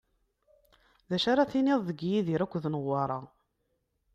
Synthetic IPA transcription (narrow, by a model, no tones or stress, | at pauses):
ðæʃaɾˤaθiniðˤðəɡjiðiɾækʷːðnəʁːɑɾˤɑ